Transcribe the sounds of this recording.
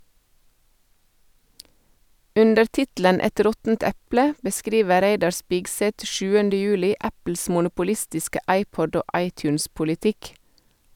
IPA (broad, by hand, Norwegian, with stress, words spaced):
ˈʉndəɾ ˈtɪtl̩ən ˈɛt ˈɾɔtn̩t ˈɛplə bəˈskɾiːʋə ˈɾæɪdɑɾ ˈspɪɡˌsɛt ˈʃʉːəndə ˈjʉːlɪ ˈæpl̩s mʊnʊpʊˈlɪstɪskə ˈɑɪˌpɔd ˈoː ˈʔɑɪˌtjʉːnspʊlɪˌtɪk